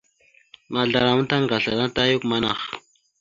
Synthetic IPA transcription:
ma˨ɮa˨ɾa˨m˦ta˦ŋɡa˨ɬa˨ɾa˦ta˦ju˦kma˦na̰˨x

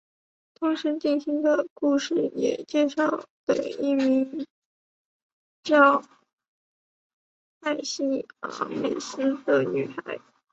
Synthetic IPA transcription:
t̪ʰʊ˧˥ŋʂɻ̩˧˥t͡ɕi˥˩nɕi˧˥ŋd̪ə˧˨ku˥˧ʂɻ̩˥˩jɛ̰˨˩t͡ɕjɛ˥˧ʂɑ˥˩ʊt̪e˨˩ɪi˥˩mi˧˥ŋ | t͡ɕjɑ˥ʊ | a˥˩ɪɕi˥ə̰˧˥mḛ˨˩ɪsɹ̩˥d̪ə˨˩ny̰˨˩xa˧˥ɪ

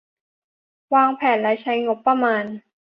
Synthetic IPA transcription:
waː˧ŋpʰɛː˨˩˦nla˧˥jt͡ɕʰa˧˦˥jŋo˦˥pːɾa˧maː˧n

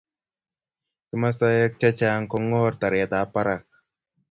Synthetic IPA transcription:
kɪ˦ma˦sa˦jɛ˦k̚t͡ʃa˦t͡ʃa˦ŋkɔ˦ŋɔ˦rt̪a˨ɾɪ˨a˨d̪a˨˦pa˦ɾa˨k̚

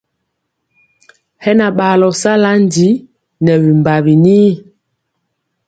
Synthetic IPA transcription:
hɛ˦na˨ɓa˨lɔ˨sa˦la˦n˦di˨˦ | nɛ˨βi˨mba˨βi˨ni˦

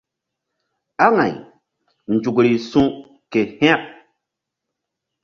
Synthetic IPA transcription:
a˦ŋa˨j | nd͡ʒu˨kɾi˨sũ˦ | ke˨hɛ̃˦a˦˨p̚

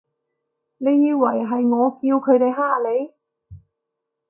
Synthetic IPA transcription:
ne˨˧jːiː˧wɐ˨˩jɦɐ˨jŋɔː˨˧kiː˧wkʰɵ˨˧˥t̪e˨jɦaː˥˩le˨˧j

